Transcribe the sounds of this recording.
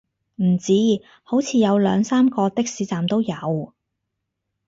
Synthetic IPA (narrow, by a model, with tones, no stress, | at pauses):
m̩˨˩t͡siː˥ | ho˨˥wt͡sʰiː˨˧jɐ˨˧wlœː˨˧ŋsaː˥mkɔː˧t̪ɪ˥k̚siː˨˥t͡saː˨mt̪o˥wjɐ˨˧w